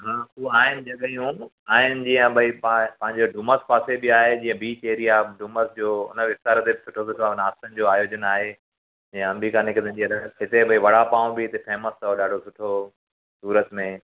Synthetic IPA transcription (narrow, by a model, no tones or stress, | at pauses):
ɦaːuːaːɦɪnɪ̆d͡ʑɐɠijũ | aːɦɪnd͡ʑĩːə̃bʱɐippɐ̃ɦɪ̃ɲd͡ʑoɖuːməspaːsebɪaːɦed͡ʑĩːə̃bʱiːt͡ɕeɦɾijaɖuːməsd͡ʑoːʊ̰nəʋɪst̪aːɾt̪ebɪsʊʈʰosʊʈʰoaʊnaːst̪ənɪ̆d͡ʑoːaːjoːd͡ʑənaːɦe | d͡ʑĩə̃ɐ̃mbiːkaːnɪkəd̪ənd͡ʑiɐɾəɦɪt̪ebɐiʋɐɽ̤apãːũbɪɦɪt̪efɛːməst̪ʰaɦoɗaːɖʱosʊʈʰo | suːɾət̪mẽ